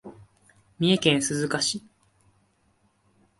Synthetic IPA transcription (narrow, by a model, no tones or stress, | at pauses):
mʲie̞kẽɰ̃sɨzɨkaɕi